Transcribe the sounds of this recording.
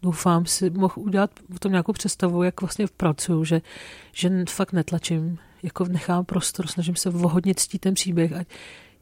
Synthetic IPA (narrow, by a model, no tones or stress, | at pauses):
dowfaːmsɪmoxʔuɟɛlat̪pot̪o̞mɲaːkowpr̝̥ɛt̪st̪avujakvlast̪ɲɛpɾat͡sujuʒɛʒ̥ɛfakt̪nɛt̪lat͡ʃɪm | jakonɛxaːmpɾo̞st̪oɾsnaʒɪmsɛvoɦodɲɛt̪t͡sciːt̪ːɛnpr̝̥iːbjɛxʔa